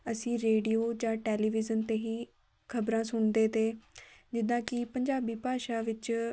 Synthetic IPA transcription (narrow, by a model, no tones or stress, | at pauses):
əsĩːɾeːɖijoːd͡ʒãːʈeːliːʋɪzənt̪eːɦiː | kʰəbɾãːsʊɳd̪eːt̪eːd͡ʒɪd̪ãːkɪpəɲd͡ʒaːbiːpaːʃaːʋɪt͡ʃ